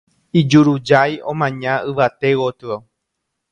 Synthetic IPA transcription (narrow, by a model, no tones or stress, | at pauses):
id͡ʒuɾud͡ʒajõmãɲãɨʋat̪ewot̪ɨa